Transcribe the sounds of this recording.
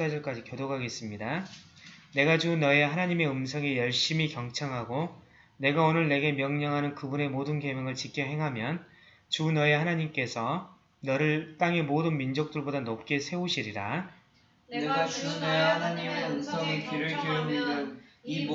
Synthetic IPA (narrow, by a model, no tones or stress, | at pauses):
ad͡ʑʌɭk͈ad͡ʑikjodoɡɦaɡe̞s͈ɯmɲida | ne̞ɡat͡ɕunʌe̞ɦanaɲime̞ɯmsʰʌɡe̞jʌɭɕ͈imikjʌŋt͡ɕʰaŋɦaɡo | ne̞ɡaonɯɭne̞ɡe̞mjʌŋɲʌŋɦanɯnkɯbune̞modɯnke̞meŋɯɭt͡ɕikʰjʌɦe̞ŋɦamjʌn | t͡ɕunʌehanaɲimk͈e̞sʰʌ | nʌɾɯɭt͈aŋe̞modɯnmind͡ʑok̚t͈ɯɭbodanop̚k͈e̞sʰe̞uɕʰiɾiɾa | uneanaɲimeɯmsʰʌɡekiɾɯi | i